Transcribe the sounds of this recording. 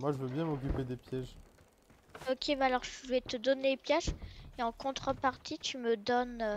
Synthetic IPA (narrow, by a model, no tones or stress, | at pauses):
mwaʒəvøbjɛ̃mɔk̬ʲyped̪epjɛʒ | ɔkʲʰebalɔʁʒəvɛt̪əd̪ɔnepjɛʒeɑ̃kɔ̃t̪χəpaʁt̪ʰit̪yməd̪ɔn